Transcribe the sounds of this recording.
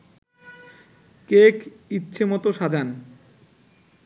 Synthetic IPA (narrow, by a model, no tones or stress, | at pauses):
kekitːɕʰemɔt̪oʃad͡ʑan